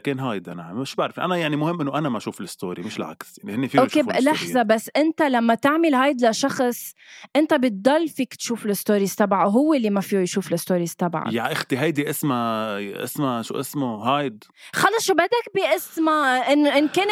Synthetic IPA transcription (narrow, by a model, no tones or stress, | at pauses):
keːnɦaːjd̪ʔana̰ɪʃbaʕɾˤfiʔanajaʕnimʊhɪmːʔɪnːoʔanamaʃuːfɪlɪst̪o̰ːɾimɪʃlʕa̰ksjaʕnihɪnːifiːʔoːkelaħzabasːʔɪnt̪alamːat̪aʕmɪlɦaːjd̪laʃɑxsˤ | ʔɪnt̪abɪt̪̚d̪ˤɑlːfiːkt̪ʃuːfɪlɪst̪oːɾisabʕaɦʊwːelːimafiːjʃuːflɪst̪oːɾisabʕa̰jaʕʔɪxt̪iɦajd̪iʔɪsmaʔɪ̰smaʃṵːʔɪsmohaːjd̪ | xɑlːɑsˤʃubad̪ak̚biʔɪsmaʔɪnːʔɪnkeːn